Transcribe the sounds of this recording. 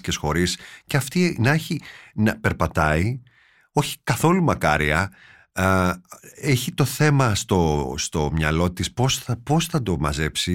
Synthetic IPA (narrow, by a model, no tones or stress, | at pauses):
cesxo̞ɾisceɐft̪inɐeçinɐpe̞ɾpɐt̪ɐi | o̞çi̥kɐθo̞lumɐkɐ̰ɾḭɐ | eçit̪o̞θe̞mɐst̪o̞st̪o̞mɲɐ̰lo̞t̪isposɐpo̞sθɐd̪o̞mɐ̰ze̞psi